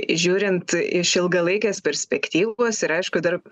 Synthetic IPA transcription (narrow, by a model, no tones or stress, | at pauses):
ʒʲuːɾʲɪnt̪ɪʃɪlˠɡɐlˠɐɪkʲeːspʲɛɾʲsʲpʲɛkt̪ʲiːʋoːsɪɾɐɪʃkʊd̪ɐr